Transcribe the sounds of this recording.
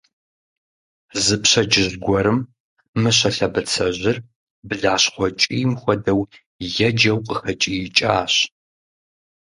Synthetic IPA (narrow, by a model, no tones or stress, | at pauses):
zɨpɕɐd͡ʒɪzɡʷɔɾɨmː | ɨɕɐɬɐbɐt͡sʰɐʑɪr | bɨɮaːɕχʷɔt͡ʃʼiːmxʷɔdɐw | jɛd͡ʒɐwqʼəxɐt͡ʃʼijɪt͡ʃʼaːɕ